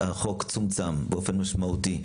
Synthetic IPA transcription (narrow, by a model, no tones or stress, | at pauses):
aχokt͡sumt͡sambeʔofenmaʃmauti